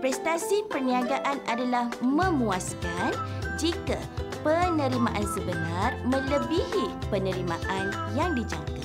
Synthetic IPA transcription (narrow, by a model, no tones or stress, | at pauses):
pɾɛst̪asipərniaɡaʔanadalahmə̃muaskan | d͡ʒika | pənə̃ɾimã̰ʔansəbənãrmə̃ləbihipənə̃ɾimãʔanjaŋdid͡ʒa̰ŋka